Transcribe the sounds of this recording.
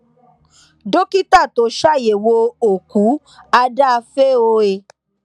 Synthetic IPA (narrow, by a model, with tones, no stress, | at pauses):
do˦ki˦ta˦˨to˨˦ʃa˦˨je˨wo˧o˨ku˨˦ | a˧da˦˧fe˦o˧e˨